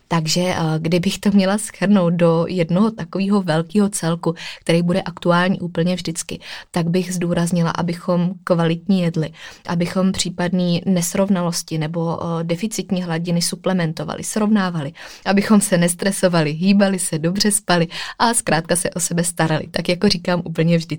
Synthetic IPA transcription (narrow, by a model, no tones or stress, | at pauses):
t̪aɡʒɛɡdɪbɪxt̪o̞mɲɛlasxr̩no̞wt̪̚do̞jɛdnoɦo̞t̪akoviːɦo̞vɛlkiːɦo̞t͡sɛlkuk̚t̪ɛɾɛjbudɛʔakt̪uaːlɲiːʔuːpl̩ɲɛvʒdɪt͡skɪ̰t̪aɡbɪɣzduːɾazɲɪla̰ʔa̰bɪxo̞mkvalɪt̪ɲijɛdlɪʔabɪxo̞mpr̝̥iːpadniːnɛsɾo̞vnalo̞scɪnɛbo̞dɛfɪt͡sɪt̪ɲiːɦlaɟɪnɪsuplɛmɛnt̪o̞va̰lʔɪ̰sɾo̞vnaːvalɪʔabɪxo̞msɛnɛst̪ɾɛso̞valɪɦiːbalɪsɛdobr̝ɛspalɪʔaskɾaːt̪̚kasɛʔo̞sɛbɛst̪aɾalɪ̰t̪akjakoriːkaːmʔuːpl̩ɲɛvʒdɪ